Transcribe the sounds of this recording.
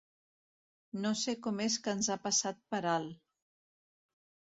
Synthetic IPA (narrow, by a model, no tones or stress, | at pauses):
nosekɔmes̬kənzapəsat̪̚pəɾal